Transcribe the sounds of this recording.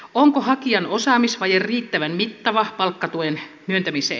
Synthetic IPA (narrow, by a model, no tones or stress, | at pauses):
oŋkohɑkiɑnosɑːmisʋɑjerriːt̪ːæʋænmit̪ːɑʋɑpɑlkːɑt̪uen | myønt̪æmisḛ